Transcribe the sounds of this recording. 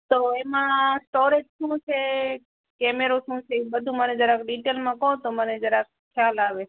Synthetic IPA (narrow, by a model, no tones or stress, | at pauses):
t̪oemãsʈoɾed͡ʒʃũt͡ʃʰe | kɛmeɾoʃũt͡ʃʰeibəd̪ʱũməned͡ʒəɾakɖiʈelmãkɔɦt̪oməned͡ʒəɾak | kʰjalaʋe